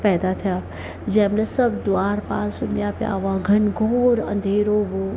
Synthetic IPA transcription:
pɛːd̪at̪ʰijaː | d͡ʒɛːmlesɐbd̪ʊaːɾpaːlsʊnjapja̰ːʋaɡʱɐnɡoːɾɐ̰̃nd̪ʱeːɾoʋo

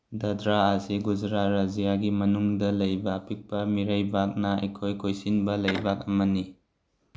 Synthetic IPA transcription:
dɐdɾaːziɡud͡ʒɾatɾazijaɡimɐnuŋdɐlɐjbɐːpik̚pɐmiɾɐjbak̚nɐɐjkʰojkʰojsinbɐlɐjbak̚ɐmɐni

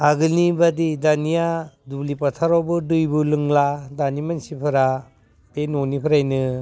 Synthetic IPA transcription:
aɡɯlnibadidanijadublipatʰaɾawbɯdɯjbulɯŋladanimansipʰɯɾa | tenonipʰɯɾajnɯ

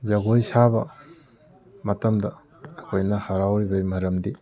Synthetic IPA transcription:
zɐɡojsabɐ | mɐtɐmdɐː | kʰojnɐhaɾawɾibɐjmɐɾɐmdi

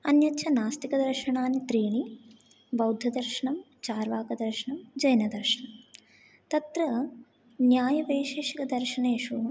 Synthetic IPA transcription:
ɐnjɐtːʃʰɐnaːst̪ikɐd̪ɐɾʃɐɳaːnit̪ɾiːɳi | bɐwd̪ʱjɐd̪ɐɾʃɐɳɐm | t͡ʃaːɾʋaːkɐd̪ɐɾʃɐɳɐmd͡ʒɐjnɐd̪ɐɾʃɐɳɐm | t̪ɐt̪ɾɐ | njaːjɐʋɐːiʃeːʂikɐd̪ɐɾʃɐɳeːʂu

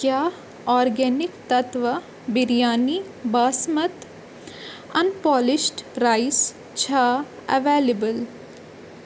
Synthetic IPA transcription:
kjaː | ɔːɾɡɛːnɪkt̪ɐt̪ʋɐ | biɾjaːni | baːsmɐt̪ | ɐnpɔːlɪʃʈɾaɪs | t͡ʃʰaː | ɐ̰ʋeːlebəl

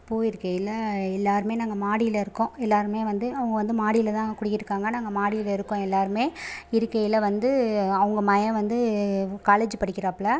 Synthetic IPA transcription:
pːoːjɪɾɯkːɐjɪlɐɛlːaːɾɯmeːnaːŋɡɐmaːɽɪjɪlɐɪɾɯkːõɛlːaːɾɯmeːʋɐnd̪ɯɐʋɯŋɡɐʋɐnd̪ɯmaːɽɪjɪlɐt̪ãːkʊɽɪjːɪɾɯkːaːŋɡɐnaːŋɡɐmaːɽɪjɪlɐɪɾɯkːõɛlːaːɾɯmeːɪɾɯkːɐjɪlɐʋɐnd̪ɯɐʋɯŋɡɐmɐjɐ̃ʋɐnd̪ɯkaːled͡ʒɯpɐɽɪkːɪɾaːpːɭaː

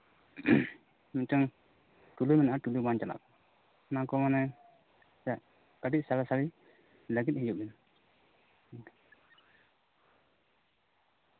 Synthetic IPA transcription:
mitəŋ | ʈulujmɛnaʔaʈulujmant͡ʃala̰kɔ | nakɔmanɛ | saʔ | kaɖit̪̚salasali | ləɡit̪̚ˀhid͡ʒuk̚dɛn

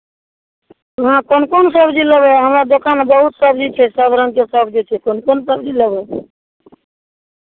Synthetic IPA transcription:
əɦãkonkonsəbd͡ʒiləbɛɦəmɾad̪okanbəɦut̪səbd͡ʒit͡ʃʰɛsəbʱɾənkesəbd͡ʒit͡ʃʰɛkonkonsəbd͡ʒiləbɛ

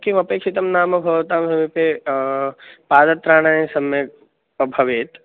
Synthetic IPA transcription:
kimɐpeːkʂit̪ɐmnaːmɐbʱɐʋɐt̪aːmsɐmepe | paːd̪ɐt̪ɾaːɳ̃ãsɐme | ɐbʱɐʋeːt̪

